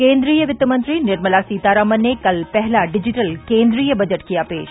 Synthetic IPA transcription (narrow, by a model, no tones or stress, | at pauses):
kẽːnd̪ɾiːjəʋɪt̪ːəmɐ̃nt̪ɾinɪɾməlasiːt̪aːɾaːmənekɐlpɛɦlaɖɪd͡ʒɪʈəlkẽːnd̪ɾiːjəbɐd͡ʒəʈkijapeːʃ